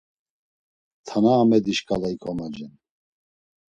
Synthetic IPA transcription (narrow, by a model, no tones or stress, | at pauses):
t̪ʰanaːmɛd̪iʃkʼalaikʰɔmad͡ʒɛn